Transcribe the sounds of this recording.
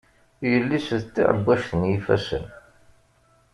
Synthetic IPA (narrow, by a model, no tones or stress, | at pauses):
jəlːisðt̪ːḭʕə̰bːæʃθənjifæ̰sə̰n